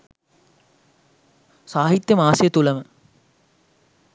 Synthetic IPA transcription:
saːɦit̪jəmaːsejət̪uləmə

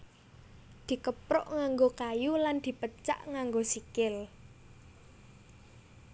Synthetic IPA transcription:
d̪̥i̤kəpɾʊ̰ʔŋaŋɡokajuland̪̥i̤pət͡ʃa̰ʔŋaŋɡosikɪl

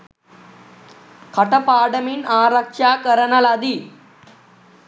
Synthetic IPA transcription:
kʰəʈəpaːɖəmiːnaːɾakʂakəɾənalad̪iː

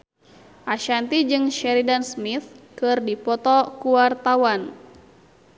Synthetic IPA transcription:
ʔaʃant̪id͡ʒɨŋʃɛɾidansmit̪̚kɨrdipɔt̪ɔkuart̪awan

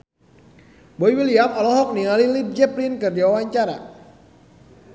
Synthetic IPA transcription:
boiwiliamɔlɔɦɔk̚niŋalilib̚d͡ʒɛplinkɨrdiwawaɲt͡ʃaɾa̰

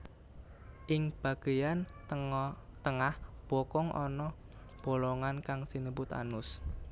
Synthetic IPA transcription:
ʔɪŋb̥a̤ɡ̥ejan | t̪əŋahb̥ɔkɔŋʔɔ̰nɔ | b̥o̤lɔŋankaŋsinəbʊt̪a̰nʊs

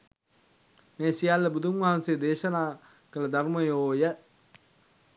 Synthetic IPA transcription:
meːsijalːəbud̪ʱumʋɐɦansed̪eːʃənaː | kələd̪aɾməjoːjə

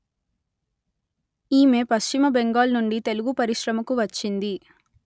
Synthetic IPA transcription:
iːme̞ːpɐst͡ʃimɐbeŋɡaːlnuɳɖit̪e̞luɡupɐɾiʃɾɐmɐkuʋɐt͡ʃːind̪i

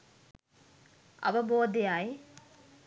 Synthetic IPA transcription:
ɐ̰ʋɐboːd̪ejae

